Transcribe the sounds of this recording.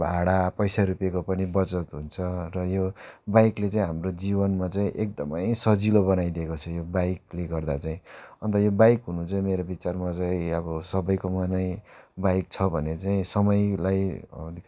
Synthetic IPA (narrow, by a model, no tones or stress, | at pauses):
bʱaɽapʌjsaɾupekopʌnibʌt͡sʌt̪ɦunt͡sʰʌrʌjobajklet͡saĩɦamrod͡zibʌnmat͡saĩʔek̚d̪ʌmʌ̰jsʌd͡zilobʌnajd̪ekot͡sʰʌjobajk̚leɡʌrd̪at͡saĩʌnt̪ʌjobajkɦunut͡saĩmeɾobit͡sarmat͡sajĩʌbʌsʌbʌjkomanʌjbajk̚t͡sʰʌbʱʌnet͡saĩsʌmʌjlajʌ̰nik